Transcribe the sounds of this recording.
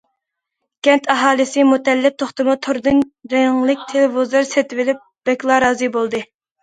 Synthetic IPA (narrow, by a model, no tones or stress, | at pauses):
kʲɛnt̪ʰɑɦɑːlˠɨsɨmut̪ɛlːɪp̚t̪ʰoχt̪ɨmut̪ʰoɾd̪ɨnɾɛŋlˠɪk̚ʲt̪ʰelɪvozlˠɑɾsɛt̪ɪvɪlɪp̚b̥ɛkʲlˠɑɾɑːzɨbolˠd̪ɨ